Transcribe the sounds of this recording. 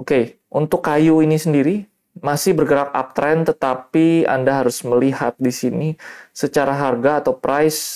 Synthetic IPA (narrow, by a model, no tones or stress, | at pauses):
oke | ʔunt̪ʊkːajuinisəndiɾi | masɪhbərɡəɾak̚a̰p̚t̪ɾɛnt̪ət̪apia̰ndaɦaɾʊsməlihat̪̚disinisət͡ʃaɾaɦarɡaːt̪awpɾajs